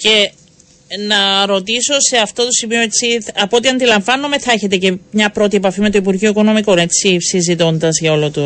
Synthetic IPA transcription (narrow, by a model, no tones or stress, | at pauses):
ce̞ | nɐɾo̞t̪iso̞se̞ɐft̪o̞t̪o̞simioet͡siɐpot̪iɐnd̪ilɐɱvɐnːome̞θɐeçe̞t̪e̞ce̞mɲɐpɾo̞t̪iepɐfime̞t̪oipuɾʝioikono̞miko̞ne̞t͡sːisizit̪o̞nd̪ɐzʝɐo̞lot̪u